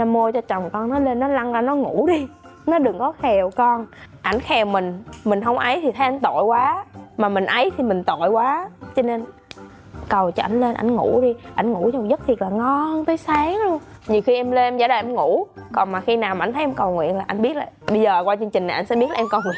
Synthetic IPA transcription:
na˨˧mo˧t͡ɕɔ˧t͡ɕɔ˨˩wŋ͡mkɔ˧nnɔ˨˦le˧nːɔ˨˦la˧ŋlaː˨˩nɔ˨˦ŋṵ˧˩˥ɗi˧nɔ˨˦ɗɨ˨˩ŋkɔ˨˦xɛ˨˩wkɔ˧nʔa˧˩jŋ̟xɛ˨˩wmï˨˩ŋ̟mï˨˩ŋ̟ɦə˧wŋ͡mʔə˨˦jt̪ʰi˨˩t̪ʰə˨˦jʔa˧˦ŋ̟t̪o̰˧˨jkwaː˨˦maː˨˩mï˨˩ŋ̟ʔə˨˦jt̪ʰi˨˩mï˨˩ŋ̟t̪o̰˧˨jkwaː˨˦t͡ɕɔ˧ne˧n | kə˨˩wt͡ɕɔ˧ʔa˧jŋ̟le˧nʔa̰˧˩jŋ̟ŋṵ˧˩˥ɗi˧ʔa˧˩jŋ̟ŋṵ˧˥t͡ɕɔ˧m˨˩k̚zə˦˥t̚t̪ʰi˨˩əlaː˨˩ŋɔ˧ŋt̪əː˨˦jsaː˨˦ŋlu˧əŋɲi˨˩əwxi˧ʔɛ˧mle˧mza̰ː˧˦ɗaː˨˩ʔɛ˧mŋu˧˩˥kɔ˨˩nmaː˨˩xi˧naː˨˩wma˨˧˨jnt̪ʰə˦ʔɛ˧mkə˨˩wŋwḭ˧˨ənlaː˨˩ʔa˧jŋɓi˦˥ət̚laː˨˩ɓə˧jzəː˨˩kwaː˧t͡ɕɨ˧ŋt͡ɕï˨˩ŋn˨˩ʔŋsɛ̰˧˥ɓi˦˥t̚la˨˧mkə˨˩wŋwḭ˧˨ən

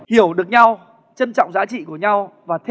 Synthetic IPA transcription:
hi˧˩əwɗɨ˨˩ək̚ɲa˧w | t͡ɕə˧nt͡ɕɔ̰˧˨wŋ͡mzaː˨˦t͡ɕḭ˧˨ku˧˩əɲa˧wvaː˨˩t̪ʰ

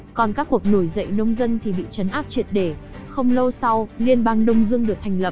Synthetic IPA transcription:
kɔ˨˩nkaː˦˥kːu˨˩ək̚no˧˩jzə̰˧˨jnə˧wŋ͡mzə˧nt̪ʰi˨˩ɓḭ˧˨t͡ɕə˨˦nʔaː˦˥p̚t͡ɕwi˨˩ət̚ɗe˧˩ | xə˧wŋ͡mlə˧wsa˧wli˧ənɓaː˧ŋɗə˧wŋ͡mzɨ˧əŋɗɨ˨˩ək̚t̪ʰjŋ̟lə˨˩p̚

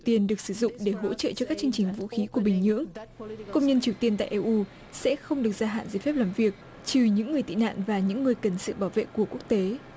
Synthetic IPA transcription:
t̪i˧ənɗɨ˨˩ək̚sɨ˧˩zʊ̰˧˨ŋ͡mɗe˧˩ɦo̰˧˥t͡ɕə̰ː˧˨t͡ɕɔ˧kaː˦˥k̚t͡ɕɨ˧ə˧ŋt͡ɕï˨˩ŋ̟vṵ˧˥xi˨˦ku˧˩əɓï˨˩ŋ̟ɲɨ̰˧˥əŋkə˧wŋ͡mɲə˧nt͡ɕi˨˩əwt̪i˧ənt̪a̰ː˧˨ʔɛ˧ʔu˧ | sɛ̰˧˥xə˧wŋ͡mɗɨ˨˩ək̚zaː˧ɦa̰ː˧˨nzə˧˩fɛ˦˥p̚laː˨˩mvi˨˩ək̚ | t͡ɕɨ˨˩ɲɨ̰˧˥ŋːɨ˨˩əjt̪ḭ˧˨na̰ː˧˨nvaː˨˩ɲɨ̰˧˥ŋːɨ˨˩əjkə˨˩nsɨ̰˧˨ɓaː˧˩wvḛ˧˨ku˧˩əku˦˥ək̚t̪e˨˦

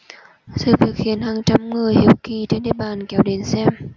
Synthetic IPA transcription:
sɨ̰˧˨vi˨˩ək̚xi˨˦ənhaː˨˩ŋt͡ɕa˧mŋɨ˨˩əjhi˨˧˩əwki˧˨˩t͡ɕe˧nɗḛ˨˧˨ɓaː˧˨˩nkɛ˨˦wɗe˨˦nsɛ˧m

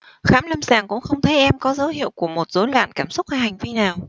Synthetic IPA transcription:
xaː˨˦mlə˧mzaː˨˩ŋkʊ̰˧˥ŋ͡mxə˧wŋ͡mt̪ʰə˨˦jʔɛ˧mkɔ˨˦zə˨˦whḭ˧˨əwku˧˩əmo˨˩t̚z̥o˨˦jlwa̰ː˧˨nkaː˧˩msʊ˦˥k͡p̚vaː˧˩ha˨˩jŋ̟vi˧naː˨˩w

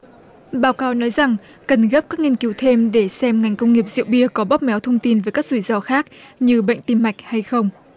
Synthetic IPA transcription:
ɓaː˨˦wkaː˨˦wnɔ˨˦jza˨˩ŋ | kə˨˩nɣə˦˥p̚kaː˦˥k̚ŋi˧ənki˨˦wt̪ʰe˧mɗe˧˩sɛ˧mŋa˨˩jŋ̟kə˧wŋ͡mŋi˨˩əp̚zḭ˧˨wɓi˧əkɔ˨˦ɓɔ˦˥p̚mɛ˨˦wt̪ʰə˧wŋ͡mt̪i˧nvəː˨˦jkaː˦˥k̚zu˧˩zɔ˧xaː˦˥k̚ɲɨ˧ɓə̰˧˨ŋ̟t̪i˧mːa˨˩jk̟̚ha˧jxə˧wŋ͡m

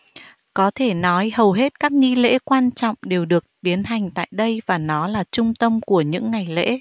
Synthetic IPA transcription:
kɔ˨˦t̪ʰe˧˩nɔ˨˦jhə˨˩wɦe˦˥t̚kaː˦˥k̚ŋi˧lḛ˧˥kwaː˧nt͡ɕɔ̰˧˨wŋ͡mɗe˨˩wɗɨ˨˩ək̚t̪i˨˦ənɦa˨˩jŋ̟t̪a̰ː˧˨jɗə˧jvaː˨˩nɔ˨˦laː˨˩t͡ɕʊ˧ŋ͡mt̪ə˧mku˧˩əɲɨ̰˧˥ŋːa˨˩jlḛ˧˥

